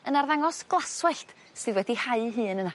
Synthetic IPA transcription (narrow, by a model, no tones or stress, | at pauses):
ənarðaŋɔsɡ̥lˠaswɛɬt | sɨðwɛdihaɨɦɨːnəna